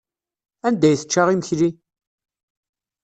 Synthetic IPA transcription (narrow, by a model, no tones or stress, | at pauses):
ænd̪æjθə̥t͡ʃːaʁiməçli